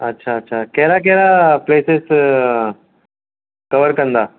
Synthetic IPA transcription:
ɐtːɕʰaːtːɕʰakɛɾak̬ɛɾapleːses | kɐʋəɾkɐnd̪aː

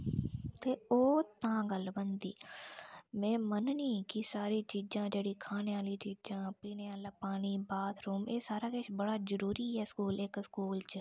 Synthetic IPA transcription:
t̪eːoːt̪ãːɡəlbə̃nd̪iː | mɛ̃ːmənniːkisaːɾit͡ʃiːd͡ʒãːd͡ʒeːɽiːkʰaːneaːlit͡ʃiːd͡ʒãːpiːneaːlaːpaːniːbaːt̪ʰɾuːmeːsaːɾaːkeːʃbɐɽaːzəɾuːɾiɦɛːskuːleːkskuːlt͡ʃ

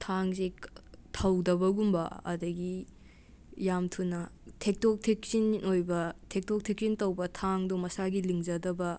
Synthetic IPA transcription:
tʰaŋsetʰɐwdɐbɐɡumbɐɐ̰dɐɡi | jamtʰunɐtʰek̚tok̚tʰek̚sinojbɐtʰek̚tok̚tʰek̚sintɐwbɐtʰaŋdumɐsaɡiliŋd͡ʒɐdɐbɐ

